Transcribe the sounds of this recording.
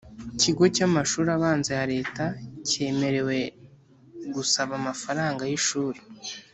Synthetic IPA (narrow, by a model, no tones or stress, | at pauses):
ciɡo̞camaʃuːɾaβaːnzejaɾe̞ːtace̞ːme̞ɾe̞we̞ | ɡusaβamafaɾaːŋɡajiʃuːɾe